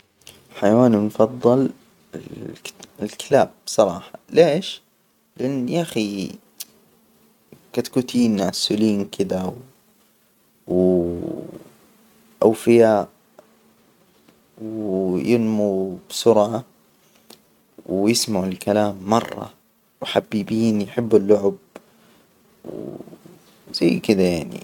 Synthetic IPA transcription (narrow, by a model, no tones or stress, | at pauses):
ħajawaːnimfɑðˤːɑl | ɪ | ɪlkɪlaːb̚bsˤɑɾˤɑːħɑleːʃ | lɪʔanːʔaxi | kat̪kut̪ʰiːnʕasʊliːnkʰɪd̪aw | w | ʔawfɪjaːʔ | wjɪnmub̥sʊɾʕa | wjɪsmaʕɪlkalaːmːɑrˤːɑ̰ | wħabːibiːnjħɪbːalːʊʕʊb | w | z̥ajːkɪd̪ajaʕnḭ